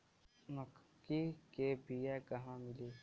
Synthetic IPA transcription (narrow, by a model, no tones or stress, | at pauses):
məkkːikeːbiakɐɦãmɪliː